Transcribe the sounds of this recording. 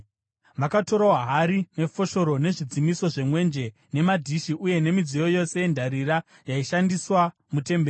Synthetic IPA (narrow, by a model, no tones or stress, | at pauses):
ʋakato̞ɾaaɦaɾine̞fo̞ʃo̞ɾo̞ne̞ʐid͡zimiso̞ʐe̞mwe̞nd͡ʒe̞ | ne̞madʱiʃiʔuje̞ne̞mid͡zijo̞jo̞se̞jendʱaɾiɾa | jaiʃandiswa | mute̞mbeː